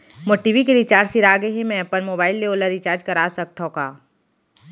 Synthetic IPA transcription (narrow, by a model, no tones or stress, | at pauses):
moːʈiʋikeɾit͡ʃaːɾsiɾaːɡeɦemɛ̃pəɾmoːbaːɪlːeoːləɾit͡ʃaːɾd͡ʒkɐɾaːsɐk̚t̪ʰokaː